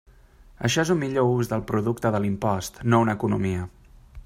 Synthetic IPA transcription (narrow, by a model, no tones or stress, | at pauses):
əʃɔezumːiʎouzðəlˠpɾuðukt̪əðəlimpɔst̪nounəkunumiə